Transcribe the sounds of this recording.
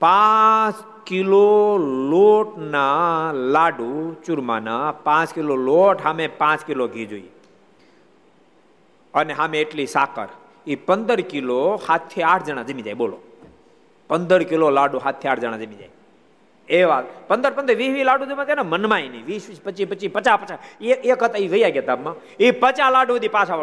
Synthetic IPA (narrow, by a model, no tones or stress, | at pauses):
pãt͡ʃ | kiloloʈnalaɖut͡ʃʊɾma̰napãt͡ʃkiloloʈɦamepãt͡ʃkiloɡʱid͡ʒoi | əneɦamẽeʈlisakə̰ɾ | ipənd̪əɾkilohat̪ʰːeaʈʰd͡ʒəɽ̃ãd͡ʒəmĩd͡ʒa̰jɓolo̰ | pənd̪əɾkilolaɖũɦat̪ʰːiaːʈʰd͡ʒəɽ̃ãd͡ʒəmĩd͡ʒa̰j | eʋapənd̪əɾpənd̪əɾʋiːsʋilaɖũd͡ʒəmãt̪anamənmãiniʋiːsʋispət͡ʃːipət͡ʃipət͡ʃapət͡ʃaekət̪aiʋəijaɡjat̪abmã | ipət͡ʃalaɖud̪ipãt͡ʃʰa